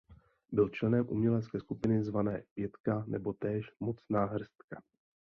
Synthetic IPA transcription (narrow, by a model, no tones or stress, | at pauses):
bɪlt͡ʃlɛnɛmʔṵmɲɛlɛt͡skɛːskupɪnɪzvanɛ̰ːpjɛt̪kanʔɛ̰bo̞t̪ɛːʃmo̞t͡snaːɦr̩st̪ka